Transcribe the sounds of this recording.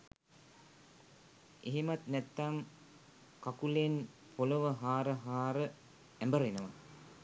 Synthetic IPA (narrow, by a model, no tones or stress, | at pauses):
eɦemat̪nɛt̪ːaŋ | kakulen | poloʋəɦaːɾəɦaːɾə | ɛmbəɾenəʋa